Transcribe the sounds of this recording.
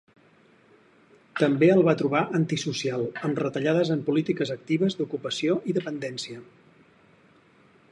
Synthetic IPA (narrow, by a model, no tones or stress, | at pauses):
t̪əmbeəlˠβat̪ɾuβ̞aʔənt̪isusialˠəmrət̪əʎaðəzəmpulit̪ikəzək̚t̪iβ̞əzd̪ukupəsioʔiðəpənd̪ɛnsiə